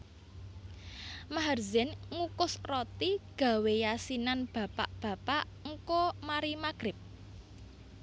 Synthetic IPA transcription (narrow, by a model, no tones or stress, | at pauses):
maɦərzɛnŋukʊsrot̪iɡ̥ä̤wejasinanb̥ä̤paʔb̥ä̤paʔ | ŋ̩komaɾimaɡ̥ɾɪp̚